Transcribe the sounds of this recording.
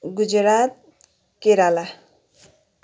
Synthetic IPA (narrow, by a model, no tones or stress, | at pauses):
ɡud͡ʒɾat̪̚ | keɾala